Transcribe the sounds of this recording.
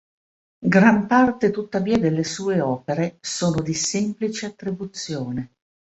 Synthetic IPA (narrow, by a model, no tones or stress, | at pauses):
ɡɾampart̪et̪ut̪ːaviːad̪elːesuːeɔːpeɾesoːnod̪isemplit͡ʃeat̪ːɾibut̪sːjoːne